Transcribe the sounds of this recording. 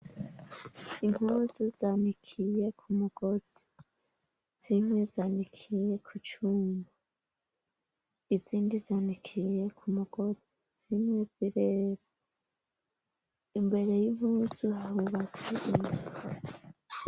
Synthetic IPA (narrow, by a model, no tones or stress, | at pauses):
iŋ̥uzuzaːnikʰije̞kʰumuɡ̥o̞z̥i̥ | z̥imŋe̞zaːnikʰije̞kʰut͡ʃuːmba | iziːndizaːnikʰije̞kʰumuɡ̥o̞z̥i | z̥imŋwe̞ziɾeːβa | imbe̞ɾe̞jiŋ̥huːzuhahuβat͡siʔin